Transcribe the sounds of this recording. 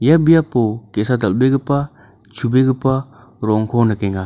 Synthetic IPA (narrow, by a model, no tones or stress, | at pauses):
jabijapokesadɐlbeɡɯpa | t͡ʃʰubeɡɯpa | ɾɔŋkʰɔnɐkeŋa